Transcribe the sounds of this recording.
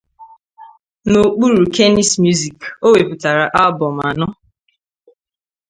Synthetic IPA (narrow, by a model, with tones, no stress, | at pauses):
no˨k͡pu˦ɾu˨ke˦ni˨smju˦zi˨ko˦we˨pʊ˨ta˨ɾa˨ʔa˦lbɔ˨m̩˨a˨nʊ˦